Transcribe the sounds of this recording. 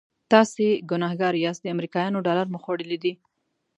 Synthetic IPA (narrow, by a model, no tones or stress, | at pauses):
t̪ɑseɡʊnɑhɡɑɾjɑsd̪əamɾikɑjɑnoɖɑlaɾmʊxwaɽəlid̪i